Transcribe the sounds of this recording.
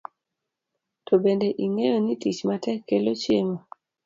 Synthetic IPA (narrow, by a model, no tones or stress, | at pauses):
tobendeʔiŋejonitit͡ʃmatɛkːelot͡ʃjemo